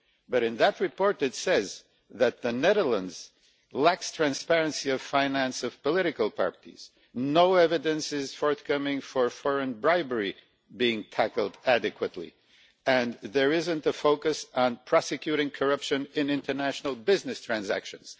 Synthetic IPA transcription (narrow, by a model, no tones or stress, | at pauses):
bʌɾɨ̃nðət̚ɹɨpʰɔɹɾɨtsɛz | ðɨt̪̚ðɨnɛðə˞lə̃ndz̥ | lækstʰɹ̥æ̃nspɛɹɨ̃nsiʌv̥fãɪ̃næ̃nsʌv̥pəlɪɾɨkəl̩ˠpʰɑ̰ɹɾḭz̥ | noʊɛvɨɾɨ̃nsɪz̥fɔɹθkʰʌmɪ̃ŋfə˞fɔɹɨ̃nbɹaɪbə˞i | biɪ̃ŋtʰækl̩ˠdæɾɨkʰwɨtˡlḭ | ɨ̃nðə˞ɪzɨ̃ntəfoʊkɨsn̩pʰɹ̥ɑsɨkʰj̥ʉɾɪ̃ŋkʰə˞ʌpʃɨ̃nɨ̃nɪ̃ntə˞næʃnl̩ˠbɪznɨstʰɹ̥æ̃nzæ̰kʃɨ̃nz̥